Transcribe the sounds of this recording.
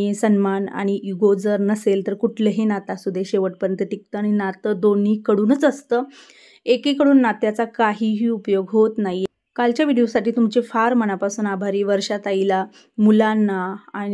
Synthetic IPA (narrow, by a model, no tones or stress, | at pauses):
isənmana̰ɽ̃iʔiɡod͡zəɾnəselt̪əɾkuʈʰləɦenat̪asud̪ʱeɕeʋəʈ̚pəɾjənt̪əʈik̚t̪əaɽ̃inat̪əd̪onikəɽuːnət͡səst̪əː | ekikəɽuːnːat̪jat͡sakaɦiːɦiːupjoɡɦot̪nai | kalt͡ɕjaʋiɽijosaʈiːt̪umt͡ɕefaɾməñapasuːnabʱaɾiːʋəɾʂat̪aila | mulanːaã